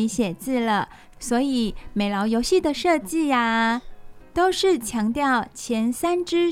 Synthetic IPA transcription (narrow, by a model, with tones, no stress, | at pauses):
i˧˥ɕjɛ˨˩t͡sɹ̩˥˩lə˩ | swɔ˧˥i˨˩˦me˨˩ɪlɑ˧˥ʊjo˧˥ʊɕi˥˩d̪ə˩ʂɤ˥˧t͡ɕi˥˩a˩ | t̪o˥ʊʂɻ̩˥˩t͡ɕʰjɑ˧˥ŋt̪jɑ˥˩ʊt͡ɕʰjɛ˧˥nsa˥nʈ͡ʂɻ̩˥